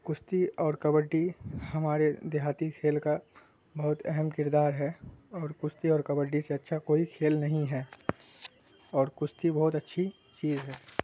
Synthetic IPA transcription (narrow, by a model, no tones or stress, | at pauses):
kʊst̪iɔːɾkɐbəɖːihɐmaːɾed̪eɦaːt̪ikʰeːlka | bɐɦʊt̪ɛɦɛmkɪɾd̪aːɾɦɛɔːɾkʊst̪iɔːɾkɐbəɖːiseɐtːʃʰakoːikʰeːlnɐɦĩɦɛː | ɔːɾkʊst̪ibɐɦʊt̪ɐtːʃʰi | t͡ʃiːzɦɛː